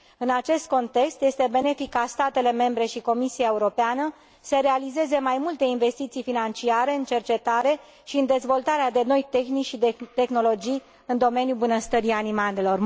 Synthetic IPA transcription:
ɨnat͡ʃe̞st̪̚ko̞nt̪e̞kst̪je̞st̪e̞be̞ne̞fikːast̪at̪e̞le̞me̞mbɾe̞ʃiko̞misiaeuɾo̞peanə | səɾe̞alize̞ze̞majmult̪e̞inve̞st̪it̪sijfinant͡ʃiaɾe̞ɨnt͡ʃe̞rt͡ʃe̞t̪aɾe̞ | ʃiɨnd̪e̞zvo̞lt̪aɾead̪e̞no̞jt̪e̞xnikʃid̪t̪e̞xno̞lo̞d͡ʒij | ɨnd̪o̞me̞njubunəst̪əɾianimale̞lo̞r

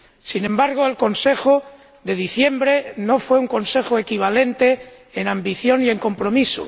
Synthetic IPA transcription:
sinẽmbaɾɣ̞oelko̞nse̞xo | ðe̞ð̞iθje̞mbɾeno̞fwe̞uŋko̞nse̞xoekiβ̞ale̞nt̪eː | nãmbiθjo̞nie̞ŋko̞mpɾo̞miso̰

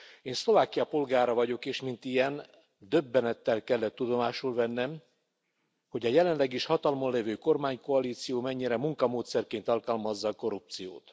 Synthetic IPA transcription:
eːnslo̞vaːkijɒpo̞lɡaːɾɒvɒɟo̞keːʃmint̪ijɛn | d̪ø̞bːɛnɛt̪ːɛlkɛlːɛt̪ːud̪o̞maːʃulvɛnːɛm | ho̞ɟɒjɛlɛnlɛɡiʃhɒt̪ɒlmonlevøːko̞rmaːɲko̞ɒliːt̪sijoːmɛɲːiɾɛmuŋkɒmoːt̪sɛrkeːnt̪ɒlkɒlmɒzːɒːko̞ɾup̚t̪sijo̰ːt̪

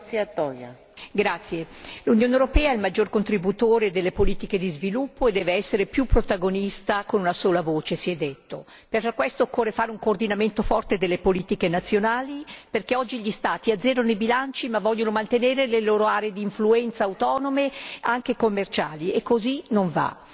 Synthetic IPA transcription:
sat̪ːɔja̰ | ɡɾat̪sːjelunjoːnewɾopɛːaɛilmad͡ʒːorkont̪ɾibut̪oːɾed̪elːepoliːt̪iked̪izvilupːoed̪ːɛːveɛsːeɾepjupːɾot̪aɡonist̪akonunasoːlavoːt͡ʃesiɛd̪ːet̪ːo | perfɾakːwɛst̪okːoːrefaːɾeuŋkoːrd̪inament̪ofɔrt̪ed̪elːepoliːt̪ikenat̪sːjonaːliperkeɔd͡ʒːiʎist̪aːt̪iad̪zɛːɾonoibilant͡ʃimavːɔʎːonomant̪eneːɾeleloːɾoaːɾeed̪iːɱfluɛnt̪saawt̪ɔːnomeaŋk̟ekomːert͡ʃaːliekːozinoɱva̰

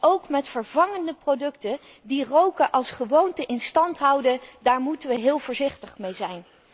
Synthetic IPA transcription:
owkmɛtfəɹvɑŋəndəprowdɵktə | dirowkəʔɑlˠsχəʋowntəʔɪnstɑntɦɑwdədaːɹmutəʋəɦɪːlˠvʊːɹzɪχtəχmejzɛjn

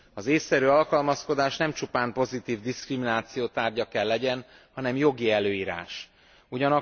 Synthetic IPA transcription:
ɒzeːsːɛɾyːɒlkɒlmɒsko̞d̪aːʃnɛmt͡ʃupaːmpo̞zit̪iːvd̪iskriminaːt̪sijoːt̪aːrɟɒkɛlːɛɟɛn | hɒnɛmjo̞ɡiɛløːiːɾa̰ːʃ | uɟɒnɒ

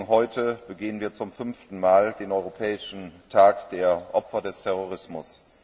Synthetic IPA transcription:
ŋɦɔʏtʰəb̥əɡeːənviːɐt͡sʊmfʏnftn̩maːldeːnɔʏʁopʰɛːɪʃn̩tʰaːkd̥eːɐʔɔpfɐdɛstʰɛʁ̞oʁ̞ɪsmʊs

